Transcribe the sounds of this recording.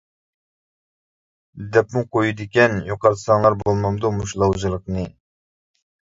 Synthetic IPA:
d̪ɛpmuqʰojud̪ɪkʲɛnjoqɑɾt̪ʰsɑŋlˠɑɾbolˠmɑmd̪umuʃlˠɑwd͡ʒɨlˠəqnɨ

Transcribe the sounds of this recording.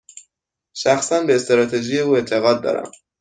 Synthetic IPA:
ʃæxsænbeːst̪ɾɒːt̪ʰeʒije̞uːe̞nt̪ʰe̞ɣɒːd̪̚ːɒ̰ːɾæ̰m

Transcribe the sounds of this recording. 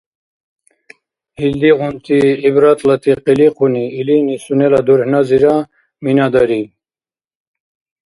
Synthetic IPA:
hild̪iʁunt̪ʰiːbɾat̪ʰlat̪ʰiqiliqʰuniːlinisunɛlad̪uɾhnaziɾa | minad̪aɾi

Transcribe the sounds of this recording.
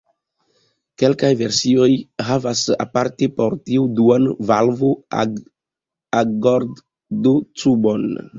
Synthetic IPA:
ke̞lkajve̞ɾsio̞jɦavasa̰paɾtepo̞ɾtiuduanvalvoa̰ | aɡoɾd | dut͡subo̞n

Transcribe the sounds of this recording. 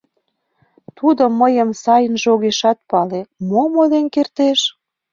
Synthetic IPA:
t̪ud̪ŏmːəjə̆msɑjənʒoɣeʃɑt̪̚pɑlemomod̪enkert̪eʃ

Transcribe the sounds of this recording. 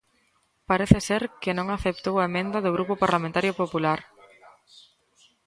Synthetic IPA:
paɾeθɪseɾkɪnõŋaθep̚t̪owɐemẽnd̪ɐðʊɣ̞ɾupʊpaɾlamẽnt̪aɾjopopulaɾ

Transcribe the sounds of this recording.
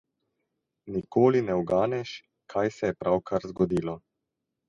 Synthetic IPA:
nikoːlinɛuɡaːnɛʃ | kʰajsɛjɛpɾʔawkʰaɾzɡɔd̪iːlɔ

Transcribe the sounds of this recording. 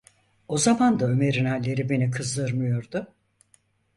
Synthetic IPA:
o̞zamand̪aøme̞ɾinælʲːe̞ɾibe̞nikʰɯzd̪ɯɾmɯjo̞ɾd̪ʊ

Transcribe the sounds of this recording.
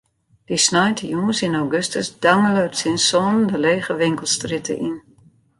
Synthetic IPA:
d̥isnajtʰəjuːnsinawɡøstəsdaŋəlœɥtsinsɔndəleːɣəʋɪŋkəlˠstrɪtʰə̰ʔin

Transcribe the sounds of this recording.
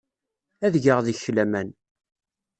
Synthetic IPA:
æðʝəʁðəçlæmæn

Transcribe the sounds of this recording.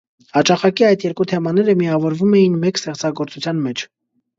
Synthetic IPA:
hɑt͡ʃɑχɑkiɑjd̪jɛɾkut̪ʰɛmɑnɛɾəmiɑvɔɾvumɛjinmɛkst̪ɛχt͡sɑɡɔɾt͡sut͡sʰjɑnmɛt͡ʃʰ

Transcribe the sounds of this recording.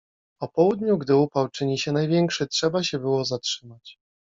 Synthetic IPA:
ɔpɔwud̪ɲuɡd̪ɘupawt͡ʂɘɲiɕɛnajvʲjɛŋkʂɘtʂɛbaɕɛbɘwɔzatʂɘmat͡ɕ

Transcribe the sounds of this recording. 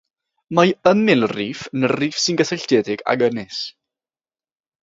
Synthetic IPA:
majəmɪlˠriːfənəriːfsɪnɡəθɛɬd̥ɛːdɪɡ̥a̰ɡənɪs

